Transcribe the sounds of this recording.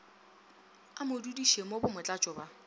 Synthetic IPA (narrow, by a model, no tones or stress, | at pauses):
amʊdudiʃemobʊmʊt͡ɬʼat͡ʃʼɔba